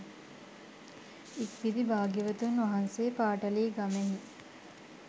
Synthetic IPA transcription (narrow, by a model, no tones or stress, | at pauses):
ikʋid̪ibaːɡiʋət̪unʋaɦanseːpaːʈɐliːɡameɦi